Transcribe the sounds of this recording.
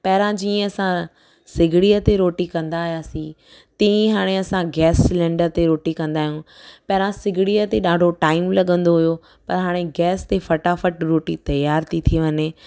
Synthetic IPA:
pɐɦɪɾãd͡ʑiːə̃ɐsã | sɪɡʱɪɽiːət̪eɾoːʈikɐ̃nd̪aːɦijaːsĩ | t̪ɐ̃ĩɦaːɽ̃eɐsãɡɛːslɛ̃ːɳɖəɾt̪eɾoːʈikɐ̃nd̪aːɦijũpɐɦɪɾãsɪɡʱɪɽijət̪eɗaːɖʱoʈaːɪmlɐɠə̃nd̪oɦʊjo | pɐɾɦaːɽ̃eɡɛːst̪efɐʈafəʈɾoːʈit̪ɐjaːɾt̪ʰit̪ʰieʋɐɲe

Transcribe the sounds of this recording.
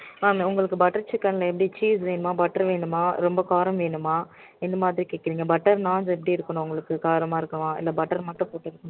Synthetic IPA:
aːmʊŋɡɐɭɯkːɯbɐʈːɐɾt͡ʃɪkːɐnɪlːɐɛp̬ːɐɽit͡ʃiːsʋeːɳɯmaːbɐʈːɐɾʋeːɳɯmaːɾɔmbɐkaːɾɐmʋeːɳɯmaː | ɪnːɐmaːðɪɾikeːkːɐɾiːŋɡɐbɐʈːɐɾnaːnsɛpːɐɽiɪɾɯkːɐɳõʊŋɡɐɭɯkːɯkaːɾɐmaːɪɾɯkːɐʋãːɪ̰lːɐbɐʈːɐɾmɐʈːɐ̃poːʈːɪɾɯkːɐɳ̃

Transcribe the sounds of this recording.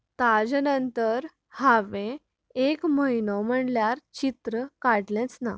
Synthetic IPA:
t̪ad͡ʑnənt̪əɾ | haʋẽ | ekməjnɔm̤əɳljaɾt͡ɕit̪ɾəkaɽlɛ̃t͡sna̰

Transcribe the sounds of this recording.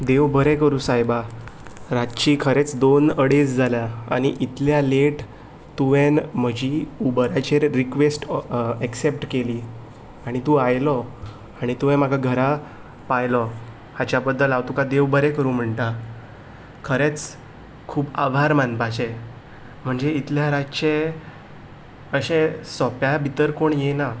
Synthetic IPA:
d̪eʋbəɾekəɾũːsajba | ɾatt͡ɕiːkʰəɾet͡sd̪onəɽesd͡zʱaljaa̰ɽ̃iʔit̪ljaleʈ | t̪uʋẽnm̤əd͡ʑiubəɾat͡ɕeɾikʋesʈeksep̚ʈkeliː | aɽ̃it̪ũajlɔ | aɽ̃it̪uʋẽm̤aɡʱaɡʱəɾa | pajlɔ | hat͡ɕjabəd̪ʱːəlaʋt̪ukad̪eʋbəɾekəɾuːm̤əɳʈa | kʰəɾet͡s | kʰuːba̰bʱaɾmãnpat͡ɕe | m̤əɳd͡zeit̪ljaɾat͡ɕe | əɕẽsɔpjabʱit̪əɾkoɳjena

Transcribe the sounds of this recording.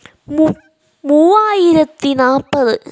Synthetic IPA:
muːʋaːjɪɾɐt̪ːinaːpːɐðɯ

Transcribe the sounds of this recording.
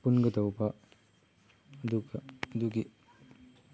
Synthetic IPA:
punɡɐdɐwbɐ | ɐd̪uɡɐːd̪uɡi

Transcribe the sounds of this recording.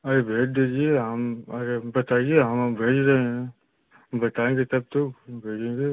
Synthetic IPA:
ɐɾebʱeːʈ̚d̪eːd͡ʒieɦəmɐɾebɐt̪aːieɦɐmbʱeːd͡ʒɾɐɦeɦɛ̃ | bɐt̪aẽːŋɡet̪ɐb̚t̪okbʱeːd͡ʒẽːŋɡe

